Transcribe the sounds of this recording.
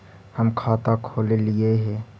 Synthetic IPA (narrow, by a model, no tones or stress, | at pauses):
həmkʰaːt̪akʰoːlelɪeɦɛ̃ː